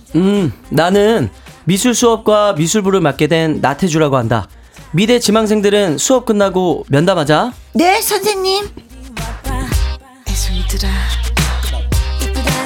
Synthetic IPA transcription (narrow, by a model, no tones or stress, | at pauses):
ɯːanɯnmisʰuɭs͈ʰuʌp̚k͈wamisʰuɭbuɾɯmat̚k͈e̞dwe̞nːa̰tʰe̞d͡ʑuɾaɡoɦanda̰ | mide̞t͡ɕimaŋsʰe̞ŋdɯɾɯnsʰuʌp̚k͈ɯnːaɡomjʌndamɦad͡ʑane̞sʰʌnsʰeŋɲim | esʰuidɯɾa